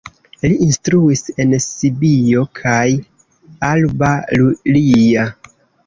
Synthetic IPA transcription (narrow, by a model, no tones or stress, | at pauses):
liʔːnstɾuise̞nsibio̞kʰaj | albalulia